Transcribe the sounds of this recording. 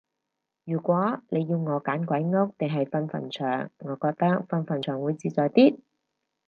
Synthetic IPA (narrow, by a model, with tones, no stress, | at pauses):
jyː˨˩kʷwɔː˨˥le˨˧jːiː˧wŋɔː˨˧kaː˨˥nkʷɐ˨˥jŋo˥k̚t̪ɪ˨ŋɦɐ˨jfɐ˧nfɐ̰˨˩nt͡ʃʰœː˨˩ŋːɔː˨˧kɔː˧k̚t̪ɐ˥k̚fɐ˧nfɐ˨˩nt͡ʃʰœː˨˩ŋwuː˨˧jt͡siː˧t͡sɔː˨jt̪iː˥t̚